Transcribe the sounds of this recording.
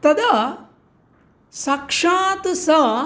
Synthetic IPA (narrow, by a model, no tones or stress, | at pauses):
t̪ɐd̪ɐ | sɐkʂaːt̪sɐ